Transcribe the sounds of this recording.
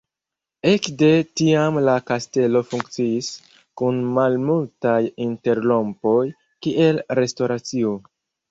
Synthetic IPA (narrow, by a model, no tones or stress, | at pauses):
e̞kde̞tiamlakaste̞lo̞fuŋkt͡siːis | kunmalmultajinte̞ɾlo̞mpo̞j | kiʔe̞lɾe̞sto̞ɾat͡sio̞